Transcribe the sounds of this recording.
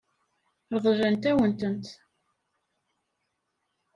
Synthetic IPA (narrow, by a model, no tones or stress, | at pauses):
ɾðˤʒænt̪æwənt̪ənt̪